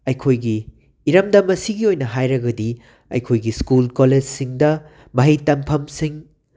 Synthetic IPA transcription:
ɐjkʰojɡiː | ɾɐmdɐmːɐsiɡiojnɐɦajɾɐɡɐdi | ɐ̰jkʰojɡiskulkoled͡ʒsiŋdɐ | mɐɦɐjtɐŋpʰɐmsiŋ

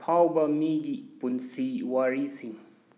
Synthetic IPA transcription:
pʰawbamidipunsiwaɾisiŋ

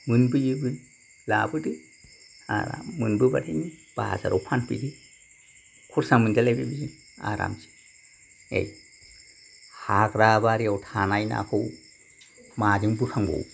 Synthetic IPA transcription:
mɯnbɯjɯbɯn | labɯdɯ | a̰ɾa̰mːɯnbɯba̰tʰinib̥a̰za̰ɾɔwpʰanpḭdɯ | kʰɔɾsamɯndalabibizi | a̰ɾa̰mzi̥ | ḛj | haɡɾabaɾiawtʰanajna̰kʰɯw | mad͡ʒɯŋbukʰaŋbɔ̰w

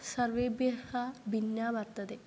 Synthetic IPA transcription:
sɐɾʋeːbjɐhabʱinjaːʋɐɾt̪ɐd̪e

